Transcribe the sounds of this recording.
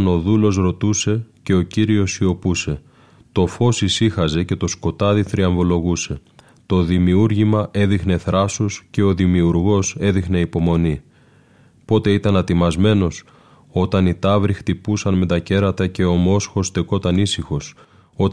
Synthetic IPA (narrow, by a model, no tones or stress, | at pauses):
no̞ðulo̞sɾo̞t̪use̞ce̞o̞ciɾio̞sio̞puse̞ | t̪o̞fo̞sisixɐze̞ce̞t̪o̞sko̞t̪ɐðiθɾiɐɱvo̞lo̞ɣuse̞ | t̪o̞ðimiuɾʝimɐʔe̞ðixne̞θɾʔɐsusce̞o̞ðimiuɾɣo̞se̞ðixne̞ipo̞mo̞ni | po̞t̪e̞it̪ɐnɐt̪imɐzme̞no̞s | o̞t̪ɐnit̪ɐvɾixt̪ipusɐnme̞t̪ɐce̞ɾɐt̪ɐce̞o̞mo̞sxo̞st̪e̞ko̞t̪ɐnisixo̞s | o̞t̪